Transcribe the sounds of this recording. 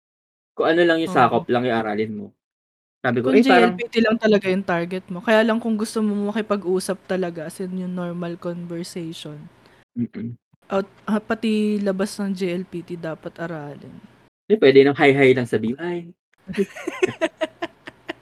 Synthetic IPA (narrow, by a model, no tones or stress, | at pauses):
kʊŋʔɐnolɐŋjʊsaːkoplɐŋʔɪʔaɾa̰ːlɪnmo | saːbɪkʊd͡ʒiaɾɐlpiːt̪ilɐŋt̪ɐlɐɡajʊŋt̪aɹɡɛt̪̚mo̞kɐjaːlɐŋkʊŋɡʊst̪omomɐkɪpɐɡʔuːsɐp̚t̪ɐlɐɡaɐsɛnjʊŋnoɹmɐlkonbɛɹsɛjʃon | m̩ː | ʔɐt̪̚ʔɐpɐt̪ilɐbasnɐŋd͡ʒiʔɛlpiːt̪id̪aːpɐt̪ʔɐɾaːlɪ̰n | d̪ɛpwɛːd̪ɛnɐŋɦajɦajlɐŋsɐbiʔaj